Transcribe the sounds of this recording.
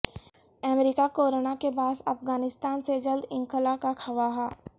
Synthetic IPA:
əmɾikakoːɾonakebaːsɐfɡaːnɪst̪aːnsed͡ʒɐld̪ɪ̃ŋkəlakakʰɐʋaɦɛː

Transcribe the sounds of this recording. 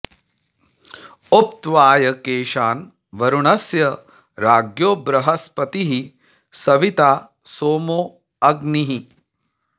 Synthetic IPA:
op̚t̪ʋaːjɐkeːʃaːn | ʋɐɾuɳɐsjɐ | ɾaːɡjoːbɾɐɦɐspɐt̪iɦi | sɐʋit̪aː | soːmoː | ɐɡniɦi

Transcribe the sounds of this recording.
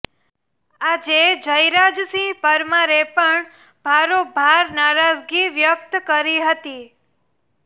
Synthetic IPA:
ad͡ʒed͡ʒəjɾad͡ʒsĩpəɾmaɾepəɳ | bʱaɾobʱaɾnaɾad͡ʒɡiʋjək̚t̪kəɾiɦət̪i

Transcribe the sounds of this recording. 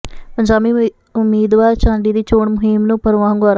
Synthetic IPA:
pəɲd͡ʒaːbiː | ʊmːiːd̪ʋaːɾt͡ʃãːɳɖiːd̪iːt͡ʃoːɳmʊɦɪmnũːpəɾʋãːŋɡaːɾ

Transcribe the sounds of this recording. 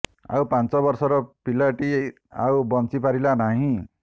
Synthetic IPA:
a̰wpant͡sɔbʌɾsɔɾɔpilaʈi | a̰wbʌnt͡sipaɾilanaɦĩ

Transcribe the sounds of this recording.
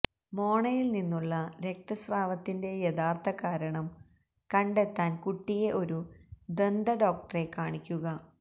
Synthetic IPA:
mo̞ːɳɐjilninːuɭːɐɾe̞k̚t̪ɐsraːʋɐt̪ːinde̞jeðaːrt̪ʰɐkaːɾɐɳɐm | kɐɳɖe̞t̪ːaːnkuʈːije̞ʔo̞ɾud̪e̞nd̪ɐɖo̞ːk̚ʈɐre̞kːaːɳikʲːuɣɐ

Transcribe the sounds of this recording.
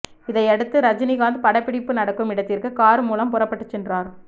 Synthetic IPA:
ɪðɐɪɐɽɯt̪ːɯɾɐd͡ʒɪnɪɣaːnd̪ɯpɐɽɐpːɪɽɪpːɯnɐɽɐkːɯmɪɽɐt̪ːɪɾkɯkaːɾɯmuːlɐmpʊrɐpːɐʈːɯt͡ʃːɛndraːɾ

